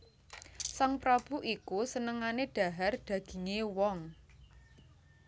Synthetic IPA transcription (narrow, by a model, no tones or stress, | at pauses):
saŋpɾab̥ṳʔikusənəŋaneɖ̥a̤ɦard̪̥ä̤ɡ̥i̤ŋewɔŋ